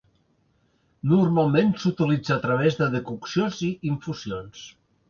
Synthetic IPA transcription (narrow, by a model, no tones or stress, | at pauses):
nurmalˠmensut̪ilid͡zaːt̪ɾəβ̞ezðəðəkuksioziiɱfuzions